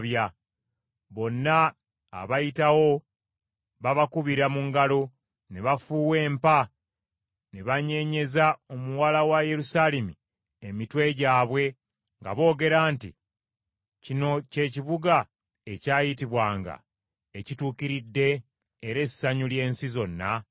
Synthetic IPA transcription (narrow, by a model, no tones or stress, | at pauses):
βja | βo̞nːa | a̰βajitawo̞ | βaβakuβiɾamuŋɡalo̞ | neβafuːwe̞ːmpa | neβaɲe̞ɲe̞zao̞muwalawaje̞ɾusalemi | emitwe̞ɟaːβwe̞ | ŋɡa̰βo̞ːɡe̞ɾaːntḭ | cino̞ce̞ciβuɡa | ecaːjitiβwaːŋɡa̰ | e̞cituːkiɾidːe̞ː | ɾe̞sːaɲulje̞ːnsizo̞nːa